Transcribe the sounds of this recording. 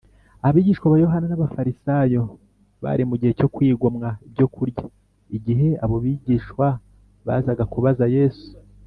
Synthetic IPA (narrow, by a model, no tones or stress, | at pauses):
ahaβiːɟiːʃkwaβaːjo̞ɦananaβafaɾisajo̞ | βa̰ɾimuɟihe̞co̞kwiːɡomŋaibɟo̞kuɾɟa | iɟiɦe̞aβo̞βiɟiːʃwa | βa̰ːzaɡakuβazaje̞ːsu̥